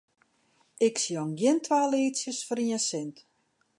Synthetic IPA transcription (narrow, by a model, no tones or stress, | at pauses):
ɪksiɔnɡjɪntʰʋaːleːsjəsfəɾiəsɪnt